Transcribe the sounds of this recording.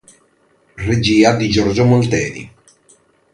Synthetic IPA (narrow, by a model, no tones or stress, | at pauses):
red͡ʒiːad̪id͡ʒɔɾd͡ʒomolt̪ɛːnḭ